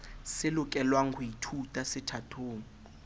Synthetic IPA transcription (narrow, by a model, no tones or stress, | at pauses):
sɪlʊk̬ʼɛlwaŋ̩ɡʰuitʰutʼasɪtʰatʰoːŋ̩